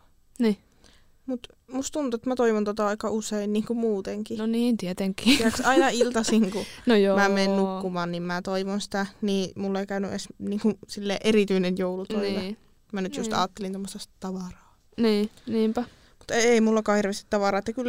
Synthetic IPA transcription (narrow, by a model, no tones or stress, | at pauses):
niː | mut̪ | must̪t̪unt̪uet̪mæt̪oiʋont̪ot̪ɑɑikɑuseinniːŋkumuːt̪eŋkinniːnt̪iɛt̪eŋkiːjæksɑinɑilt̪ɑsiŋkunojomæmeːnnukːumɑːnnimmæt̪oiʋonsi̥t̪æniːmulːeikæynyʔḛsniːŋkusilːḛːʔerit̪yinenjoulut̪oiʋe | mænyt̪just̪ɑ̰ːt̪ːelint̪omːost̪ɑst̪t̪ɑʋɑrɑː | niːniːmpæ | mut̪eeimulːɑkɑːhirʋest̪i̥t̪ɑʋɑɾɑːet̪ːækylː